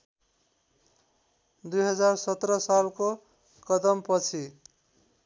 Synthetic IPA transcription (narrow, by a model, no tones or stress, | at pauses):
d̪ujɦʌd͡zarsʌt̪rʌsalko | kʌd̪ʌmpʌt͡sʰi